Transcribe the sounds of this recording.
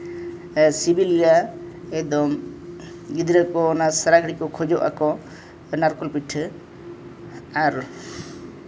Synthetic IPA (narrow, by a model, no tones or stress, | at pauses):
sibilɡa | ɛd̪ɔm | ɡid̪ɾəkɔːnasəɾaɡɾikɔkʰɔd͡ʒɔʔa̰kɔ | naɾkɔlpiʈʰ | aɾ